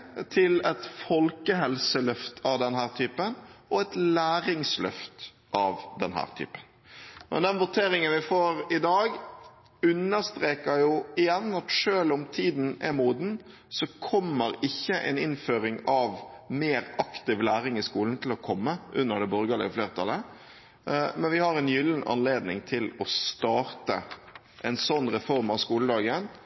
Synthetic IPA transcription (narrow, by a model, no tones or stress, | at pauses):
t̪ʰɪlɛt̪fɔlkəɦɛlsəlœft̪ʰɑʋd̪ɛnɦæːɾt̪ʰyːpənʔɔɛt̪læːɾɪŋslœ̰ft̪ | ʔɑʋd̪ɛnɦæ̰ːʁt̪ʰy̰ːpə̥n | mɛ̰nd̪ɛnʋʊt̪ʰeːɾɪŋənʋɪfoːɾɪd̪ɑːɡ | ʉnːəɾst̪ɾeːkəɾjʊɪjɛnːɑt̪ʂøːlʊmt̪ʰiːd̪n̩ɛmuːd̪n̩ | sɔkʰɔmːəɾɪçːəʔɛ̰nɪnføːɾɪŋɑʋmeːɾɑkt̪ɪʋlæːɾɪŋɪskuːln̩t̪ʰɪlɔkʰɔmːəʔʉnːəɾd̪ɛbɔɾɡəlɛ̰fleːʁət̪ʰɑlə | mɛnʋɪhɑɾɛnjʏlːnʔɑ̰nleːd̪nɪ̰ŋt̪ʰɪlɔst̪ɑːɾt̪ə̰ | ʔɛnsɔnːɾɛfɔɾmɑʋskuːləd̪ɑːɡən